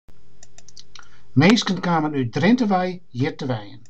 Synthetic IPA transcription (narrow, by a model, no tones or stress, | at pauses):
meːskənkaːmənyt̚drɪntəʋɛjjɪtəʋɛjən